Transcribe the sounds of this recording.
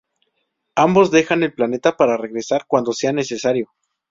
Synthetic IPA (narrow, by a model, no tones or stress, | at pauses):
ambo̞zðe̞xane̞lplane̞t̪apaɾare̞ɣɾe̞saɾkwand̪o̞se̞ane̞se̞saɾjo̞